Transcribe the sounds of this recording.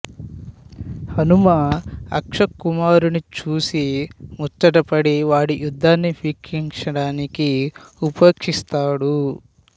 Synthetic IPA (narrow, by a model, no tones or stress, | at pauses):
hɐnumaːɐ̰kʂɐkːumaːɾunit͡ʃuːsimut͡ʃːɐʈɐpɐɽiʋaːɽiʔjud̪ʱːaːnːipʰiːkʰiŋʂɐɽaːnikiupɐkʂist̪aːɽu